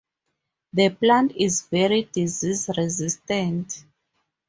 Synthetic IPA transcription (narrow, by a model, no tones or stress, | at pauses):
ðəplãntizvɛɹidizizɹɛzistɛ̃nt